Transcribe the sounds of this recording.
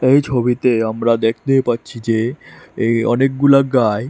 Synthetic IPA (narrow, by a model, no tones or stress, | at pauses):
ejt͡ɕʰobit̪eamɾad̪ek̚ʰt̪ejpatːɕʰid͡ʑe | ɔ̰nek̚ɡulaɡae